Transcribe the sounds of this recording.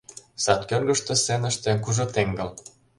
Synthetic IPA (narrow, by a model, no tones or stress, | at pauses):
sɑt̪kørɡə̆ʃt̪ĕsenəʃt̪ĕnkuʒot̪eŋɡɤ̆l